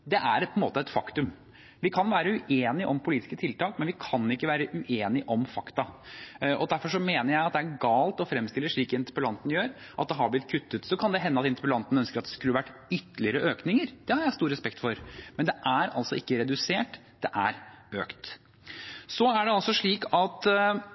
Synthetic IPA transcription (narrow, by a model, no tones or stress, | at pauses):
d̪ɛʔæɾpʰɔɛnmoːt̪əɛt̪fɑkt̪ʉm | ʋɪkʰɑnʋæːɾəʉʔeːnɪʔɔmpʰʊliːt̪ɪskət̪ʰɪlt̪ɑːkmɛnʋɪkʰɑnɪkːəʋæːɾəʔʉʔeːnɪʔɔmfɑkt̪ɑʔɔd̪æɾfɔʂɔmeːnəɾjæɪɑt̪̚d̪ɛæɾɡɑːlt̪ɔfɾɛmst̪ɪlːəʂɭiːkɪnt̪əpəlɑnt̪njøːɾʔɑ̰t̪̚d̪ɛɦɑblɪt̪̚kʰʉt̪ːət̪sɔkʰɑnd̪ɛɦɛnːəɑt̪ɪnt̪əɾpəlɑnt̪n̩œnskəɾɑt̪̚d̪ɛ̥skʉlːəʋæʈːʏt̪ːəlɪəɾəʔøːknɪŋəɾd̪̥ɛhɑɾjæɪst̪uːɾɛspɛkt̪fɔɾmɛnd̪ɛʔæɾɑ̰lsɔɪkːəɾɛd̪ʉseːʈ | d̪̥ɛʔæ̰ɾøːkt̪ | sɔæɖɛɑlsɔʂɭiːkɑt̪